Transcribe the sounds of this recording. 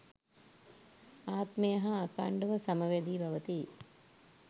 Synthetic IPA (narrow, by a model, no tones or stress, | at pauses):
aːt̪mejɐɦɐːka̰ːɳɖɐʋɐsɐmɐʋed̪iːbʱɐʋət̪i